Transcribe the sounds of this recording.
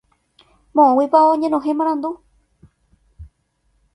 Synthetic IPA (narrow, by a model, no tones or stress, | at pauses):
mõʔõwipaõɲẽnõɦẽmãɾ̃ãnd̪u